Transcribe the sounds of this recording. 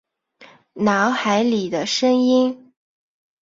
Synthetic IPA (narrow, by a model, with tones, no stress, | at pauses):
na˧˥ʊxa˧˥ɪli˨˩d̪ə˦ʂə˥ŋi˥n